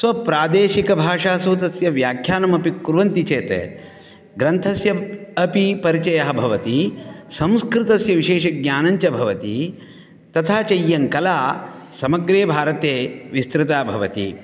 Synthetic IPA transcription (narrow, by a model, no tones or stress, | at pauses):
sʋɐpɾaːd̪eːʃikɐbʱaːʂaːsoːt̪ɐsjɐʋjaːkʰjaːnɐmɐpikuɾʋɐnt̪it͡ʃeːt̪ḛ | ɡɾɐnt̪ʰɐsjɐɐpipɐɾit͡ʃɐjɐɦɐbʱɐʋɐt̪isɐ̃m̃skɾɪt̪ɐsjɐʋiʃeːʃɐɡ̚ɲaːnɐɲt͡ʃɐbʱɐʋɐt̪i | t̪ɐt̪ʰaːt͡ʃɐjːɐŋkɐlaː | sɐmɐɡɾeːbʱaːɾɐt̪eːʋist̪ɾɪt̪aːbʱɐʋɐt̪ḭ